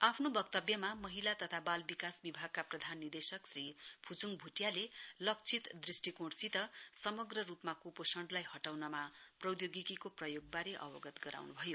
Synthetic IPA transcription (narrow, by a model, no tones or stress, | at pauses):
apʰnobʌkt̪ʌbjʌmamʌɦilat̪ʌt̪ʰabalbikasbibʱaɡ̚kaprʌd̪ʱanːid̪esʌksripʰut͡suŋɡbʱuʈjalelʌk̚t͡sʰit̪d̪risʈikoɽsit̪ʌsʌmʌɡrʌrupmakuposʌɳɖlajɦʌʈawnʌmaprʌwd̪joɡikikoprʌjoɡ̚baɾeʔʌ̰bʌɡʌt̪ɡʌɾa̰wnubʱʌjo